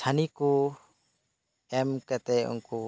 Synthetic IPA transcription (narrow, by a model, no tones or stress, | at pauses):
sʰaniku | ɛmkɛt̪ɛṵnku